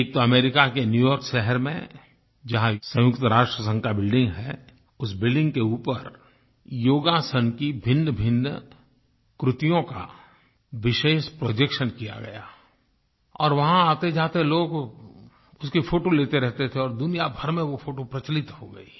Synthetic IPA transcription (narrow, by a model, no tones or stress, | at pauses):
eːk̚t̪oɐmeːɾɪkakenjuːjɔːɾkʃɛɦəɾmḛ̃ | d͡ʒɐɦãsɐ̃jʊkt̪əɾaːʃʈɾəsə̃ŋkʰabɪlɖɪ̃ŋɡɦɛ | ʊsbɪlɖɪ̃ŋɡkeuːpəɾ | joːɡasənkibʱɪ̃nːbʱɪn | kɾʊt̪ijõka̰ | ʋɪʃeːʃpɾoːd͡ʒekʃənkija̰ɡɐjaː | ɔːɾʋɐɦãaːt̪ed͡ʒaːt̪eloːɡ | ʊskifʰoːʈoleːt̪eɾɛɦt̪et̪ʰeɔːɾd̪ʊnijabʱəɾmẽʋofʰoːʈopɾɐt͡ʃlɪt̪hoɡɐ̰iː